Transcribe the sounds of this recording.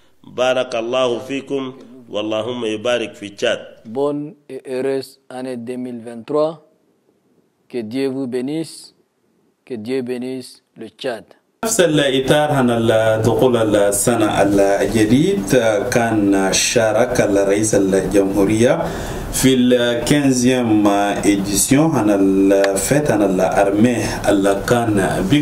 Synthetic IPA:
bɑːɾˤɑkɑlˤːɑːhufiːkumwʔɑ̰lˤːɑːhumːajubaːɾɪkfit͡ʃːaːd̪̚boneʔeɾesaned̪emilvɛnt̪ɾwa | ked̪jevubeniːs | ked̪jebenis | let͡ʃːad̪ | nafsalʔit̪ɑːɾˤɦanald̪uxuːlalsːanaʔa̰ld͡ʒad̪iːd̪kaːnʃaːɾˤɑkalɾˤɑʔiːsald͡ʒamhuɾijːa | filkɛ̃zjɛmed̪isjɔ̃ɦanalfɛt̪hanalʔa̰ɾˤmɛh | alkaːnbi

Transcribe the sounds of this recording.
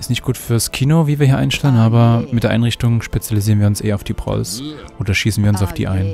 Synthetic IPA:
ʔɪstnɪçt̚ɡ̥uːtfyːɐskʰiːnoviːviːɐiːɐʔaɪnʃtɛlənʔaːbɐmɪtd̥eːɐʔa̰ɪnʁɪçtʊŋʃpet͡sjaliziːʁənviːɐʊnsʔḛːɐaʊfd̥iːbʁ̥ɔ̰lsʔoːdɐʃiːsn̩viːɐʊnsaʊfd̥ḭːʔa̰ɪn

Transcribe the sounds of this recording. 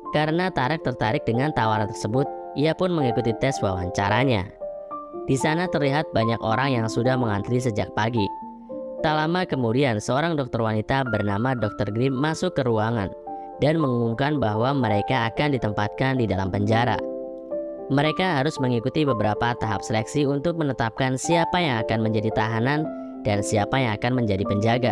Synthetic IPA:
kaɾənat̪aɾɛk̚t̪ərt̪aɾɪk̚dəŋant̪awaɾant̪ərsəbʊt̪̚ʔiapʊnməŋikut̪it̪ɛswa̰wa̰ɲt͡ʃa̰ɾaɲa̰ | disanat̪ərliɦat̪̚baɲako̰ɾaŋjaŋsudahməŋant̪ɾis̬əd͡ʒak̚paɡi | t̪alamakəmudiansəoɾaŋdɔk̚t̪ɔrwanit̪abərnamadɔk̚t̪ɔrɡɾimmːasʊkːəɾuaŋa̰n | danməŋuŋumkanbaɦwaməɾekaːkandit̪əmpat̪̚kandidalampəɲd͡ʒaɾa̰ | məɾekaɦaɾʊsməŋikut̪ibəbəɾapat̪aɦap̚səlɛksiunt̪ʊk̚mənət̪ap̚kansiapajaŋakanməɲd͡ʒadit̪aɦanan | dansiapajaŋakanməɲd͡ʒadipəɲd͡ʒaɡa

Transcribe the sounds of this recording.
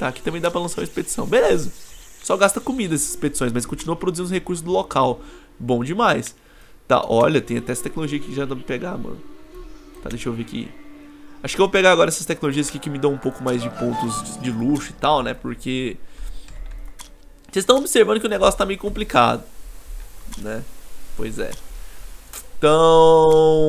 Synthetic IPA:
t̪akɪt̪ɐ̃bẽj̃d̪apɾɐlɐ̃saɾumɐisped͡ʒi̥sɐ̃w̃belezɐsɔɡast̪ɐkomid̪ɐɛszisped͡ʒi̥sõj̃s̬mɐskõt͡ʃinuɐpɾod̪uzĩnʊhekuɾs̬ʊzd̪ʊlokaw | bõw̃d͡ʒɪmajs | t̪a̰ʔɔʎɐt̪ẽj̃at̪ɛɛsɐt̪ɛkɪnoloʒiɐkɪʒad̪̃mɪpeɡamɐ̰̃nʊ | t̪a̰d̪eʃʊowvekɪ̰ | aʃʊkɪevopeɡaaɡɔɾɐɛsɐst̪ɛkɪnoloʒiɐskɪkɪmɪd̪ɐ̃w̃ũpowkʊmajzd͡ʒɪpõnt̪ʊzd͡ʒɪluʃʊit̪awnɛpʊɾkʰe | sezst̪ɐ̃obɪseɾvɐ̃nd̪ʊkɪʊneɡɔsjʊ̥t̪amejʊkõplika̰d̪ʊ | nɛpojzɛ̰ | t̪ɐ̃

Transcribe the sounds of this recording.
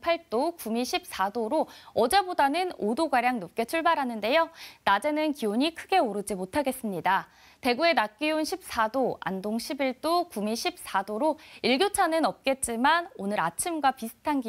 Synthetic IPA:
pʰaɭt͈okumiɕʰip̚s͈adoɾoʌd͡ʑe̞bodanɯnodoɡaɾjaŋnop̚k͈e̞t͡ɕʰuɭbaɾɦanɯnde̞jonad͡ʑe̞nɯnkioɲikʰɯɡe̞oɾɯd͡ʑimotʰaɡe̞s͈ɯmɲida | te̞ɡue̞nak͈iunɕʰip̚s͈adoa̰ndoŋɕʰibiɭt͈okumiɕʰip̚s͈adoɾoiɭɡjot͡ɕʰanɯnʌp̚k͈e̞t̚t͡ɕ͈imanonɯɾa̰t͡ɕʰimɡwapisʰɯ̥tʰanɡi

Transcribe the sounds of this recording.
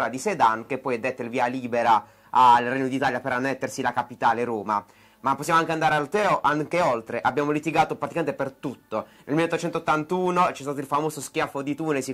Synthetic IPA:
ɾad̪ised̪ank̟epːɔjɛd̪ːet̪ːoilviːaliːbeɾa | alrɛɲːod̪it̪aːljapeɾanːet̪ːersilakapit̪aːleɾoːma̰ | mapːosːjamoaŋkeand̪aːɾealt̪ɛːoʔaŋkeolt̪ɾeʔabːjaːmolit̪iɡaːt̪opɾat̪ikament̪epert̪ut̪ːonelmileot̪ːot͡ʃɛnt̪oot̪ːant̪uːnot͡ʃɛst̪aːt̪oilfamoːzoskjafod̪it̪uːnesi

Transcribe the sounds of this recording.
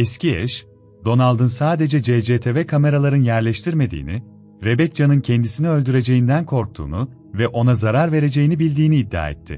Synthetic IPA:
ɛsciɛ̰ʃ | d̪o̞nalˠd̪ɯnsaːd̪e̞d͡ʒɛd͡ʒed͡ʒeːt̪ʰevɛkʰame̞ɾalˠaɾɯnjæɾlʲɛʃt̪ʰiɾme̞d̪ḭːni | ɾe̞bɛc̚d͡ʒanɯncʰɛnd̪isiniø̞lʲd̪yɾe̞d͡ʒe̞jind̪ænkʰo̞ɾk̚t̪ʰṵːnu | vɛʔo̞nazaɾaɾve̞ɾe̞d͡ʒe̞jinibilʲd̪iːniːd̪ːa̰ːɛ̰t̪ʰːɪ̰

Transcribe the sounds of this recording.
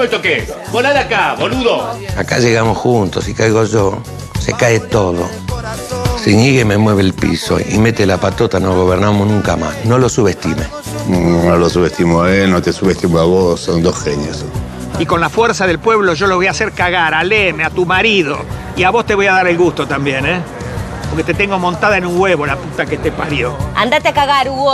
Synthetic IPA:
elt̪oke | bolaðakaβoluðoakaʒeɣamosxunt̪osikajɣoʒo | sḛkaet̪oðo̰ | siɲiɣememweβ̞elpḭso̰ḭmet̪elapat̪ot̪anoɣ̞oβeɾnamosnũŋkama̰sno̞losuβest̪ime | nolosuβest̪imoenot̪esuβest̪imoaβosond̪osxenjos | iko̞nlafweɾsaðelpwe̞βlo̞ʒo̞loβo̞jaseɾkaɣaɾalemeat̪umaɾiðo | iaβo̞st̪e̞βo̞jaðaɾelɣust̪ot̪ambje̞ne | poɾket̪et̪eŋɡo̞mõnt̪aðaenuŋweβo̞laput̪aket̪epaɾjo̞a̰nd̪at̪eakaɣaɾuo

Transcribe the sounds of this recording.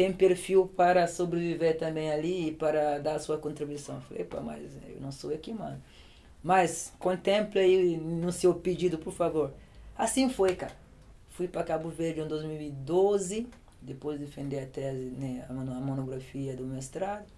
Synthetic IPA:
t̪ẽj̃peɾfiwpaɾɐsobɾeviveɾt̪ɐ̃mbẽj̃aliːpaɾɐd̪aɾɐsuɐkõnt̪ɾibuisɐ̃w̃fo̰jpa̰ma̰zḛwnɐ̃w̃sowɐkimɐ̃nd̪ʊ | maskõnt̪ẽmpleinũsewped͡ʒid̪ʊpoɾfavoɾasĩfojka̰ | fujpɾɐkabuveɾd͡ʒʊɐ̃d̪ozmiwid̪ozɪ | d̪epojzd̪efẽnd̪eɾɐt̪ɛzɪnẽanɐmonoɡɾafiɐd̪ʊmest̪ɾad̪ʊ

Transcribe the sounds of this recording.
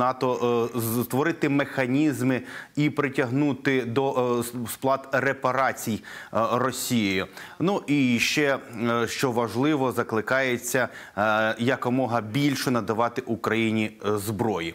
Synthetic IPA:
nɑt̪ɔ | t̪ʋɔɾɪt̪ɪmexɐnʲizmɪipɾɪtʲɐɦnut̪ɪd̪ɔsplˠɑt̪repɐɾɑt͡sʲijrɔsʲijɔjʊ | nuʔiʃt͡ʃɛʃt͡ʃɔʋɐʒlˠɪʋɔzɐklˠɪkɑjet͡sʲːɐ | jɐkɔmɔɦɐbʲilʲʃʊnɐd̪ɐʋɑt̪ɪʔukɾɐjinʲizbɾɔji

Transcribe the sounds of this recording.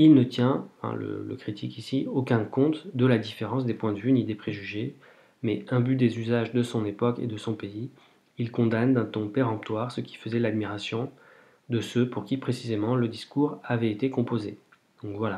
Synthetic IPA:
ilnət̪jɛ̃fɛ̰̃lə̰lə̰kχit̪ʰikisiokɛ̃kɔ̃t̪d̪əlad̪ifeʁɑ̃s̬d̪epwɛ̃d̪əvynid̪epχeʒyʒe | mɛɛ̃byd̪ezyzaʒd̪əsɔ̃nepɔkḛd̪əsɔ̃pei | ilkɔ̃d̪and̪ɛ̃t̪ɔ̃peʁɑ̃p̚t̪waʁsəkʲi̥fəzɛlad̪miʁasjɔ̃ | d̪əsøpuʁkʲipχesizemɑ̃ləd̪iskuʁavɛet̪ekɔ̃poze | d̪̥ɔ̃kvwala

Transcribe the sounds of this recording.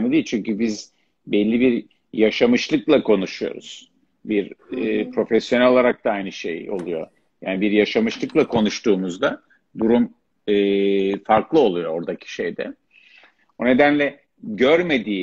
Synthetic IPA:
mid̪it͡ʃʰyɲcybiz | bɛlʲːibiɾ | jaʃamɯʃlˠɯklˠakʰo̞nuʃujo̞̰ɾṵz̥ | biɾpʰɾo̞fɛsːjo̞nɛlʲo̞lˠaɾak̚t̪aajnɯʃe̞̰jo̞̰lˠujo̞̰ | ja̰ːnibiɾjaʃamɯʃlˠɯklˠakʰo̞nuʃt̪uːmuzd̪a | d̪uɾum | ɯːfaɾklˠɯo̞lˠujo̞o̞ɾd̪acʰi̥ʃe̞jd̪ɛ̰ | bune̞d̪ænlʲɛ | ɟøɾme̞d̪iː

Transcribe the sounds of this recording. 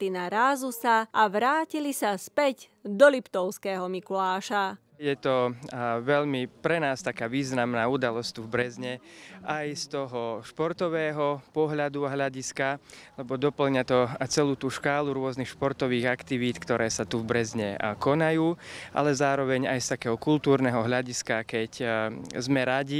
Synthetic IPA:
t̪inaɾaːzusaʔaʋɾaːcilisaspɛɟ | d̪ɔlipt̪ɔʊskɛːɦɔmikulaːʃa | jɛt̪ɔʋɛʎmipɾɛnaːst̪akaːʋiːznamnaːud̪alɔst̪uvbɾɛzɲɛʔajst̪ɔɦɔʃpɔɾt̪ɔʋɛːɦɔpɔɦʎad̪uaɦʎaɟiskalɛbɔd̪ɔpl̩ɲat̪ɔt͡sɛluːt̪uːʃkaːluɾʊɔznixʃpɔɾt̪ɔʋiːɣakt̪iʋiːt̪kt̪ɔɾʔɛːsat̪uvbɾɛzɲɛkɔnajuːʔa̰lɛzaːɾɔʋɛɲajst̪akɛːɦɔkult̪uːɾnɛːɦɔɦʎaɟiskakɛczmɛɾaɟi

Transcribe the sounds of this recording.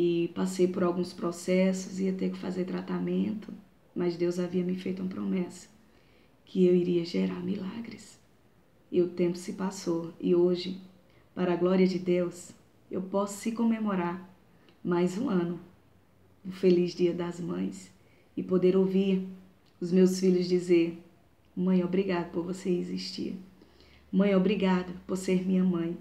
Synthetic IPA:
ɪpasejpʊɾawɡũspɾɔsɛsʊziɐt̪ekɪ̥fazeɾt̪ɾat̪amẽnt̪ʊ | mɐzd̪ewzaviɐmɪfejt̪ʊũpɾomɛsɐ̥ | kʰɪewiɾiɐʒeɾaɾmilaɡɾɪs | ɪʊt̪ẽmpʊ̥sɪpasowɪ̰oʒɪ | paɾɐɡlɔɾiɐd͡ʒɪd̪ews | ḛwpɔsʊ̥sɪkõmemoɾaɾ | majzũɐ̃nʊ | d̪ʊfelizd͡ʒiɐd̪ɐzmɐ̃j̃s | ɪpod̪eɾowviɾ | ʊzmewsfiʎʊzd͡ʒizeɾ | mɐ̃j̃obɾiɡad̪ʊpoɾvoseɪziʃt͡ʃḭɾ | mɐ̃j̃obɾiɡad̪ɐpoɾseɾmĩɲɐmɐ̃j̃

